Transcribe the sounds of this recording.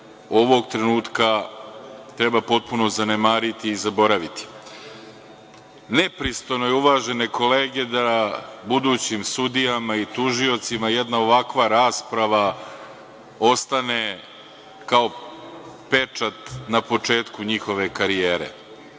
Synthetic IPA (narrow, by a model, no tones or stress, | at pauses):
o̞ʋo̞ɡt̪ɾe̞nuːt̪ka | t̪ɾe̞bapo̞t̪̚punozanemaːɾit̪iːzabo̞ɾaʋit̪i̥ | ne̞pɾist̪o̞jnojeuʋaːʒe̞ne̞ko̞leːɡe̞d̪abud̪uːt͡ɕimsud̪ijamait̪uʒio̞t̪simajed̪nao̞ʋakʋaɾaːspɾaʋa | o̞st̪ane̞ | kao̞ | pe̞t͡ʂat̪napo̞t͡ʂe̞ːt̪kuɲixo̞ʋe̞kaɾijeːɾḛ